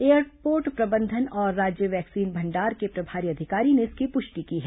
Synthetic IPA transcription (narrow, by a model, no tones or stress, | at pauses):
eːəɾpoːɾʈpɾɐbə̃nd̪ʱənɔːɾːaːd͡ʒjəʋɛːksiːnbʱɐ̃ɳɖaːɾkepɾɐbʱaːɾiɐd̪ʱɪkaːɾineɪskipʊʃʈikiɦɛ